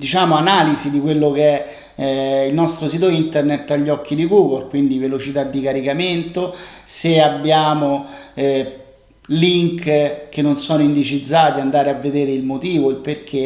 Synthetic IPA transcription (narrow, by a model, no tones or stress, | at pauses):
d̪it͡ʃaːmoanaːlizid̪ikwelːokeɛ | ilnɔst̪ɾos̬iːt̪oint̪ernet̪ːaʎːɔkʰːid̪iɡuːɡolkwind̪ivelot͡ʃit̪ad̪ːikaɾikament̪oseabːjaːmo | liŋkkenːonsɔːnoind̪et͡ʃid̪zːaːt̪iand̪aːɾeavːed̪eːɾeilmot̪iːvoilperk̟ʰe